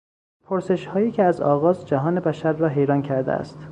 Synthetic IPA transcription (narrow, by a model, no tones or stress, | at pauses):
pʰoɾse̞ʃhɒːjiːcʰeæzɒ̰ːɣɒːzd͡ʒæɦɒːne̞bæʃæɾːɒːɦe̞jɾɒːncʰæɾd̪ḛæ̰st̪